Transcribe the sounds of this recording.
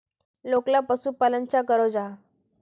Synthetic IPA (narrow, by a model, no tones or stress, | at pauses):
loklapəsuːpalənt͡ɕakəɾod͡za